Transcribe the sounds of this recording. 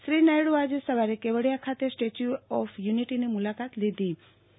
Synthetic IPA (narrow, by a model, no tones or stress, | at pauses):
ʃɾinajɽuad͡ʒesəʋaɾekeʋəɽjakʰat̪esʈet͡ʃuɔfjuniʈinimʊlakat̪lid̪i